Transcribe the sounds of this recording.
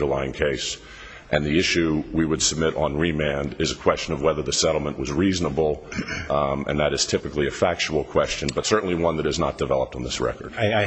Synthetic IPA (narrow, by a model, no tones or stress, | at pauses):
ɾəlaɪɪ̃ŋkʰeɪs | ʔɨ̃nðiɪʃʉwiwəd̥səb̚mɪɾn̩ɹimæ̃ndɪzɨkʰw̥ɛst͡ʃɨ̃nʌvwɛðə˞ðɨsɛɾl̩ˠmə̃nʔwʌzɹiznəbl̩ˠ | ɨ̰̃nðɨɾɨz̥tʰɪpɨkliɨfæk̚t͡ʃul̩ˠkʰw̥ɛst͡ʃɨ̃nbʌtsɜ˞ʔn̩liwʌ̃nðɨɾɨznət̚d̥ɨvɛlˠəp̚tn̩ðɪsɹɛ̰kə̰˞d̥